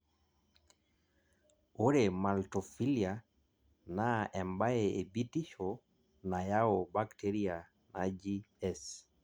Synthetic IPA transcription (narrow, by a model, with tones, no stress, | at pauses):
o˦ɾe˨ma˨lto˨fi˦li˨a˨ | na˦ɛ˨mba˦ee˨bi˦ti˦ʃo˨ | na˨ja˦o˨ba˦kte˦ɾi˦a˨ | na˨d͡ʒi˦ | ɛs